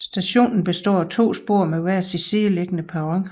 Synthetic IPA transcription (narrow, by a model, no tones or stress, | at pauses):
sd̥æɕo̝̰ːnn̩b̥e̝sd̥ɒ̰ːæt͡sʰo̝̰ːsb̥o̝̰ːɐ̰meʋæɐ̰siseleɡ̥ənəpʰæʁɑŋ